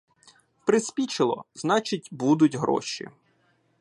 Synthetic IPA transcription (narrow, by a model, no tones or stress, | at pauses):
pɾɪsʲpʲit͡ʃɪlˠɔ̰znɑt͡ʃɪt̚ʲbud̪ʊtʲɦɾɔ̰ʃḭ